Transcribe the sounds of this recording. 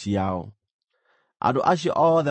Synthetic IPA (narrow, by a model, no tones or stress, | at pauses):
iao̰ | ʔa̰doʔaʃ̬ɔʔɔðɛ